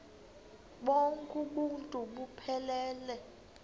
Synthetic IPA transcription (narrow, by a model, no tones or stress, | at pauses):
ɓoŋkʼuɓuntʼuɓupʰɛlɛːlɛ